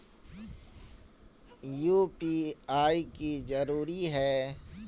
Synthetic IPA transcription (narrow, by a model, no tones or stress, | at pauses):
juːpiaːikizɐɾuːɾiɦɛː